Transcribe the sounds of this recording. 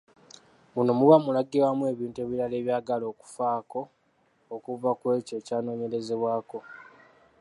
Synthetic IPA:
munomuwamulaɡiwamue̞ːβiːnte̞βiɾale̞ːβjaːɡalo̞ːku̥faːko̞ | okuvakwe̞ːco̞ːcaːno̞ːɲe̞ɾe̞ze̞βwaːko̞

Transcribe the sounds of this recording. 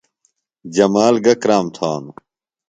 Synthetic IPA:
d͡ʑɐmaːlɡɐkɾaːmt̪ʰaːnu

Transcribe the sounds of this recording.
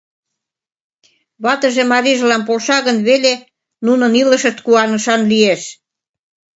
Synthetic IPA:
βɑt̪ə̆ʒemɑɾiʒlɑnp̬olʃɑɣənβele | nunɤ̆nilə̆ʃə̆ʃt̪̚kuɑnə̆ʃɑnlieʃ

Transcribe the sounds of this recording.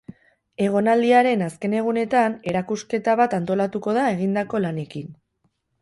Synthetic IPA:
e̞ɣ̞o̞nald̪iaɾe̞naske̞ne̞ɣ̞une̞t̪ane̞ɾakuske̞t̪aβ̞at̪ant̪o̞lat̪uko̞ð̞ae̞ɣind̪ako̞lane̞kin

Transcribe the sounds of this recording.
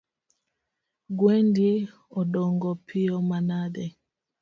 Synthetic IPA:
ɡwɛndi | ɔɗɔŋɡɔpʰiɔmanadɛ

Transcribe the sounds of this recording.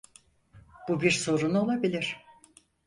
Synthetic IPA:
b̥ubiɾso̞ɾuno̞lˠabilʲiɾ̥

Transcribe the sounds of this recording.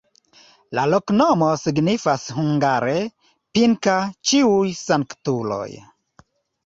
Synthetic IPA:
laloknomosiɡnifashuŋɡaɾe | piŋkat͡ʃiujsaŋktulo̰j

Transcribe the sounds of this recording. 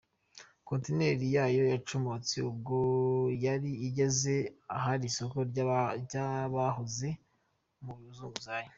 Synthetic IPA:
koːntine̞ɾijaːjo̞jat͡ʃumot͡siubɡojaɾiːɟe̞ze̞aɦaɾiso̞ko̞ɟaβaɦoze | muɾuzuːɡuzaːjo

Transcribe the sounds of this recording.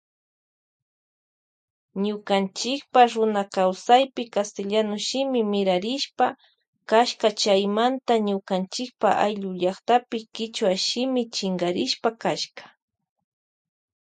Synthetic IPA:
ɲʊkant͡ʃɪkpaɾʊnakawsajpɪkast̪ɪʎanʊʃɪmɪmɪɾaɾɪʃpa | kaʃkat͡ʃajmant̪aɲʊkant͡ʃɪk̚pa̰ʔa̰jʎʊʎɑχt̪apɪkɪt͡ʃwaʃɪmɪt͡ʃɪŋɡaɾɪʃpakaʃkḁ

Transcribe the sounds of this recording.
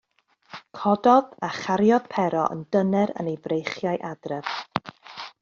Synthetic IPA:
kʰɔdɔðaχaɾjɔðpʰɛɾɔʔə̰ndənɛɾə̰nejvrejχjaɨʔadrɛv

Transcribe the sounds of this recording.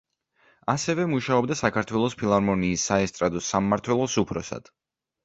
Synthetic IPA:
asɛvɛmuʃaɔbd̪asakʰaɾt̪ʰwɛlˠɔspʰilˠaɾmɔniːsːaɛst̪ʼɾad̪ɔsamːaɾt̪ʰwɛlˠɔsupʰɾɔsa̰d̪̥

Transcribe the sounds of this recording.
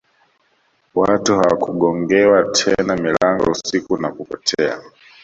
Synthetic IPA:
watuhawakuɠɔŋɡɛwatʰɛnamilaŋɡɔ̰usikunakupɔtʰɛa̰

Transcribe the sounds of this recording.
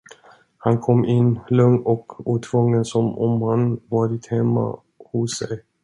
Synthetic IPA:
hankʰɔmːʔɪnːlɵŋɔkuːt̪ʰvɵŋːənsɔmɔmhanvɑːɾɪt̪hɛmːa̰ | hʊsːɛj

